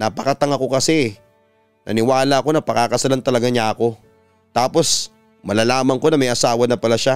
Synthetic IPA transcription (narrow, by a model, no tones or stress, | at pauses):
napɐkɐt̪ɐŋɐko̞kɐsɛɛ | nɐ̰nɪwaːlaʔːko̞nɐpɐkaːkɐsɐlant̪ɐlɐɡaɲaʔɐko̞ | t̪aːpo̞s | mɐlalaːmɐŋko̞nɐmɐjʔɐsaːwɐnɐpɐlaʃa